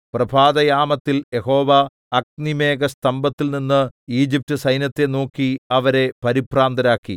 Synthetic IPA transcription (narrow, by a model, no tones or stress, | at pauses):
prɐbʱaːd̪ɐjaːmɐt̪ːilje̞ho̞ːʋɐ | ɐk̚nime̞ːɡɐst̪ɐmbɐt̪ːilninːɨiːd͡ʑip̚tɨsɐjnjɐt̪ːe̞noːkːiɐʋɐɾe̞pɐɾipraːnd̪ɐɾaːkːḭ